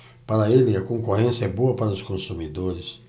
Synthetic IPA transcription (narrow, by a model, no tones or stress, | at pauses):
paɾɐelɪɐkõŋkoɦẽsjɐɛboɐpaɾɐʊskõsumid̪oɾɪs